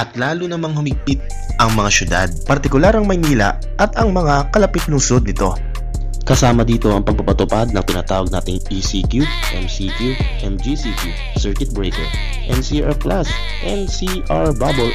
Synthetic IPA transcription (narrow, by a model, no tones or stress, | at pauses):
ʔɐt̪laːlʊnɐmaŋhʊmɪɡ̚pɪt̪̚ | ʔɐŋmɐŋaʃʊd̪a̰d̪̚pɐɾt̪ɪkʊlaɾɐŋmɐjniːlɐ̰ | ʔɐt̪ɐŋmɐŋakɐlɐpɪt̪̚lʊŋso̞d̪̚nɪt̪o̞ | kɐsaːmɐd̪iːt̪o̞ɐŋpɐɡ̚pɐpɐt̪ʊpad̪̚nɐŋt̪ɪnɐt̪aːwɐɡ̚naːt̪ɪŋisikju | ʔɛmsiːkuʔɛmd͡ʒisiku | sɛɹkɪt̪̚bɹejkɛ̰ɹ | ʔɛnsiʔaɹklas | ʔɛnsi | ʔaɹbabol